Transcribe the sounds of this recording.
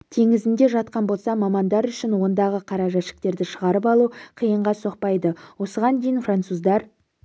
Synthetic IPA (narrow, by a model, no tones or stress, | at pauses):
t̪ʰe̞ŋɪzɪnd̪e̞ʒɑt̪qɑnbo̞lˠsɑmɑmɑnd̪ɑɾʏʃɪnwo̞nd̪ɑʁəqʰɑɾɑʒɑʃɪ̥k̚t̪e̞ɾd̪ɪʃəʁɑɾəpɑlˠuqʰijəɴʁɑso̞q̚pɑjd̪əwo̞səʁɑnd̪e̞jɪnfrant̪suzd̪ɑɾ